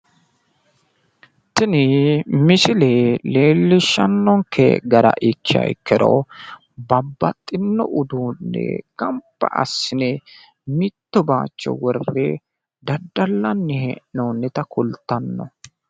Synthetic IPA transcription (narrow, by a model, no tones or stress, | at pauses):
t̪ɪnɪmɪsɪlɛleːlːɪʃːɐnːɔŋkʰɛ̰ɡɐɾɐ̰ʔɪkːɪɐ̰jkʰːɛɾo̰ | bɐbːɐt̪ʼːɪnːɔ̰ʔʊd̪uːnːɛ̰kɐmpːɐ̰ʔɐ̰sːɪnɛ | mɪt̪ːɔba̰ːt͡ʃːɔ̰wɔrːe | d̪ɐd̪ːɐlːɐnːɪhɛʔnoːnːɛt̪ɐkʰʊlt̪ːɐnːɔ̰